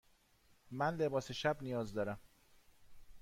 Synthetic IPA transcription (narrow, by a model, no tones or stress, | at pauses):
mænle̞bɒːseʃæbnijɒːzd̪ɒːɾæm